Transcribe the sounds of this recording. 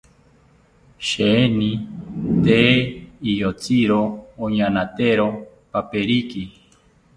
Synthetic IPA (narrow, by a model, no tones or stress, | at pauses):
ʃeenit̪eijot͡siɾooɲanat̪eɾo | papeɾiki